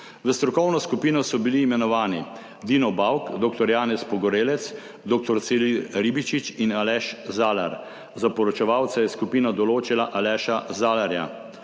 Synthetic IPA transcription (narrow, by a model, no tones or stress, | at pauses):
ʋəst̪ɾɔkɔwnɔskupiːnɔsɔbiliːmɛnɔʋaːni | d̪iːnɔbawkd̪oːk̚t̪ɔɾjaːnɛspɔɡɔɾeːlɛt̪s | d̪oːk̚t̪ɔɾt̪seliɾibit͡ʃit͡ʃinalɛʃzaːlaɾ | zapɔɾɔt͡ʃɛʋaːwt̪sajɛskupiːnad̪ɔloːt͡ʃilaʔalɛːʃazaːlaɾja̰